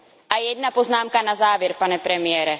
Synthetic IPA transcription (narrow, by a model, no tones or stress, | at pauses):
ʔajɛdnapo̞znaːmkanazaːvjɛɾpanɛpɾɛmɪjɛːɾɛ